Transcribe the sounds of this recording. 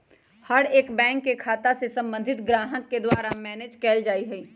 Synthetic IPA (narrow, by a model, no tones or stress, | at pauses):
həɽeːkbɛ̃ːŋkːekʰaːt̪asesɐ̃mbə̃nd̪ʱɪt̪ɡɾaːɦəkːed̪waːɾamɛːneːd͡ʒkɛːld͡ʒaːiɦɛiː